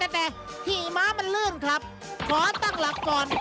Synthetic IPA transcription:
t̪ɛː˧˩t̪ɛː˨˩ | t̪ʰiː˧˩˨maː˦˥ma˧nlɯː˥˩nkʰla˦˥p̚ | kʰɔː˨˦t̪a˥˩ŋla˨˦˥p̚kɔː˨˩n

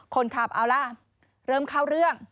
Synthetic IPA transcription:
kʰo˧nt̪ʰaː˧˩p̚ʔaː˧wla˧ | ɾɤː˧˩mkʰa˥˩wɾɯ˥˩əŋ

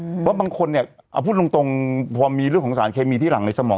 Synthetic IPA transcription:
waː˦˥˩baː˧ŋkʰo˧nːi˥˩ɐ | ʔa̰˧˩pʰuː˥˩t̪̚lo˧ŋt̪o˧ŋpʰɔː˧miː˧ɾɯ˥˩əŋʰkʰːŋsaː˩˦nkʰeː˧miː˧t̪ʰiː˥˩la˩˦ŋna˧jsa˧mɔː˩˦

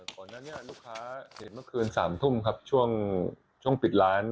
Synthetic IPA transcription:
kɔː˨˩nːaː˥˩ni˥˩ɐluː˥˩kʰːaː˦˥he˩˦nmɯ˥˩kʰɯː˧nsa̰ː˩˦mt̪ʰu˥˩mkʰa˦˥p̚t͡ɕʰu˥˩əŋ | t͡ɕʰu˥˩əŋpi˨˩t̪̚ɾaː˦˥n

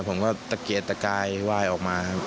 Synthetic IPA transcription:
pʰo˩˦mkɔː˥˩t̪a˧keː˨˩t̪ːa˧kaː˧jwaː˥˩jʔɔː˨˩k̚maː˧

